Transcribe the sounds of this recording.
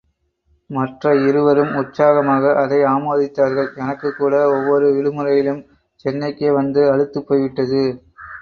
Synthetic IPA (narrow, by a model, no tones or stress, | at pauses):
mɐʈrɐɪɾɯʋɐɾɯmʊʈsaːɣɐmaːɣɐʔɐðɐɪaːmoːðɪt̪ːaːɾɣɐɭɛnɐkːɯkːuːɽɐɔʋːɔɾɯɪɻɯmɯɾɐjɪlɯm | t͡ʃɛnːɐɪkːeːʋɐnd̪ɯɐɻɯt̪ːɯpːoːjʋɪʈːɐðɯ